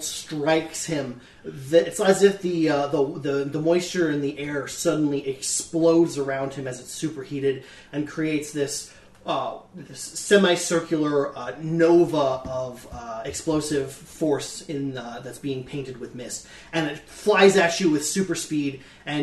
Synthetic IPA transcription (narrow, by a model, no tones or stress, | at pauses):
stɹ̥aɪkshɪ̃m | ðɨɪtsɨzɪfðiðəðɨðəmɔɪst͡ʃə˞ɨ̃nðiʔɛɹsʌdⁿn̩liʔɨksploʊdzə˞ãʊ̃nd̚ɨ̃mɨzɨtsʉpə˞hiɾɨɾ | ɨ̃nkʰɹ̥ieɪtsðɪs | ðɪsːɛ̃maɪsɜ˞kʰjl̩ˠə˞noʊvəʌv̥ɨksploʊsɪv̥ | fɔɹsɪ̃nðɨtsb̥iɪ̃ŋpʰẽɪ̃ntɨd̚wɨðmɪs | ɨ̃nɨt | flaɪzɨt͡ʃɨwɨð̥sʉpə˞spiɾ | ɨ̃